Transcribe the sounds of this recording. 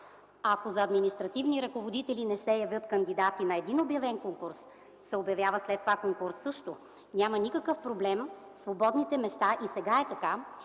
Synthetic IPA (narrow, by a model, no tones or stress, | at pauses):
ɐkozɐɐd̪minist̪ɾɐt̪ivniɾɐkovod̪it̪ɛlinɛsɛjɐvʲjɤt̪kɐnd̪id̪at̪inɐɛd̪inobjɐvɛnkoŋkuɾs | sɛobjɐvʲjavəslɛt̪ːovakoŋkuɾsːɤʃt̪o | nʲamɐnikɐkɤfpɾoblɛm | svobɔd̪nit̪ɛmɛst̪aʔisɛɡaɛt̪ɐka